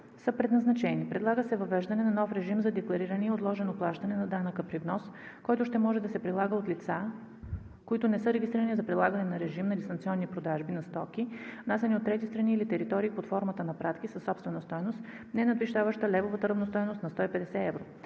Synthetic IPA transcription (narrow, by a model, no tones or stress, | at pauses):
səpɾɛd̪nɐznɐt͡ʃɛnipɾɛd̪lˠaɡəsɛvɐvɛʒd̪ɐnɛnɐnɔfɾɛʒimzɐd̪ɛklˠɐɾiɾɐnɛɛot̪lˠɔʒɛnoplˠaʃt̪ɐnɛnɐd̪anəkəpɾivnɔskɔjt̪ʊʃt̪ɛmɔʒɛd̪ɐsɛpɾilˠaɡəot̪lit̪sa | koit̪ʊnɛsɤɾɛɡʲist̪ɾiɾənizɐpɾilˠaɡɐnɛnɐɾɛʒimnɐd̪ist̪ɐnt̪siɔnːipɾod̪aʒbinɐst̪ɔkivnasʲɛniot̪ːɾɛt̪ist̪ɾɐniːlit̪ɛɾit̪ɔɾiːot̪fɔɾmət̪ənɐpɾat̪kisəsːɔpst̪vɛnɐst̪ɔjnost̪ | nɛnɐd̪viʃt̪avəʃt̪əlɛvovət̪əɾɐvnost̪ɔjnost̪nɐst̪ɔipɛd̪ɛsɛɛvɾo